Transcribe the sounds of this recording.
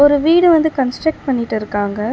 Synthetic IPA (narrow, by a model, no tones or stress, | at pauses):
ɔɾɯʋiːɽɯʋɐnd̪ɯkɐnsʈɾɐk̚ʈpɐɳːɪʈːɪɾɯkːaːŋɡɐ